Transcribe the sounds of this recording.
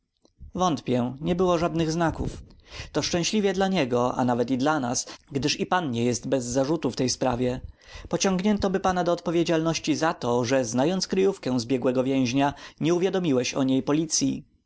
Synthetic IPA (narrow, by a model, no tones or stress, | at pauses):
vɔnt̪pʲjɛɲɛbɘwɔʐad̪nɘɣznakṵft̪ɔʂt͡ʂɛ̃w̃ɕlʲivʲjɛd̪laɲɛɡɔʔa̰navɛt̪id̪lanasɡd̪ɘʂipanɲɛjɛst̪bɛzːaʐut̪uft̪ɛjspɾavʲjɛpɔt͡ɕɔŋɡɲɛnt̪ɔbɘpanad̪ɔːt̪pɔvʲjed͡ʑalnɔɕt͡ɕizat̪ɔʐɛznajɔnt̪skɾɘjufkɛ̃zbʲjɛɡwɛɡɔvʲjɛ̃w̃ʑɲaɲɛuvʲjad̪ɔmʲiwɛɕɔ̰ɲejpɔlʲit̪sʲji